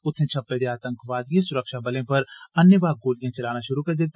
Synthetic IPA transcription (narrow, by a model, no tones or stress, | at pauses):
ʊt̪ʰːẽt͡ʃʰɐpːed̪eaːt̪ə̃ŋkʰʋaːd̪jesʊɾəkʃabɐlẽpɐɾɐnjəbaːɡoːlijãt͡ʃɐlaːnaʃʊɾukɐɾd̪et̪